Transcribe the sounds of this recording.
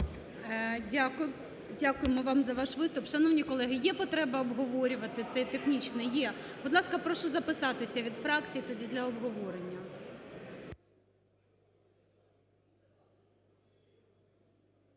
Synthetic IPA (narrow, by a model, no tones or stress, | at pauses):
ak | dʲakʊjɪmɔʋɑmzɐʋɑʃʋɪst̪ʊpʃɐnɔwnʲikɔlˠɛɦɪjɛpɔt̪ɾɛbɐɔbɦɔʋɔɾʲʊʋɐt̪ɪt̪sɛt̪exnʲit͡ʃnɛjɛb̥ʊd̪lˠɑskɐpɾɔʃʊzɐpɪsɑt̪ɪsʲɐʋʲid̪fɾɑkt͡sʲijit̪ɔdʲid̪lʲɐɔbɦɔʋɔɾenʲːɐ